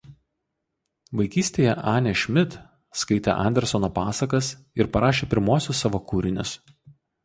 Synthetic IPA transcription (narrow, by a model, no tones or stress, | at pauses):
ʋɐɪkʲiːsʲt̪ʲeːjɛʔɑːnʲɛʃʲmʲɪt̪ | skɐɪt̪ʲḛʔɐ̰nʲd̪ʲɛɾsɔnoːpɑːsɐkɐs | ɪɾpɐɾɑːʃʲeːpʲɪɾmuɔsʲʊsːɑːʋoːkuːɾʲɪnʲʊs